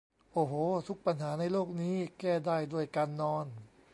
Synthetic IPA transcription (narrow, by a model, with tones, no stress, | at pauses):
ʔoː˧˩hoː˨˧˦t̪ʰu˦˥k̚pa˧nɦaː˩˦na˧jloː˥˩k̚niː˦˥kɛː˥˩daː˥˩jdu˥˩əjkaː˧nːɔː˧n